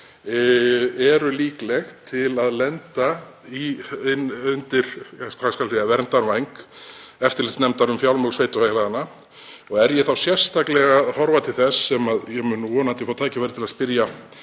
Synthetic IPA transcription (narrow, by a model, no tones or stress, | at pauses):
ɛɾʏliːklɛxt̪ʰɪlaðlɛnt̪a | iɪnʏnt̪ɪɾ̥askvaskalsejavɛɾmt̪anvajŋkɛft̪ɪɾlɪt̪snɛmt̪aɾʏmfjawlmœlsveːjt̪ʏhahlaðanːa | ɔɣɛɾjɛθawsjɛr̥st̪ʰaklɛɣaðhɔɾvat̪ʰɪlθɛsːɛmaðjɛmʏnːɣɔnant̪ɪfaːwt̪ʰaːjcɪvajɾɪt̪ʰɪlaðspɪɾja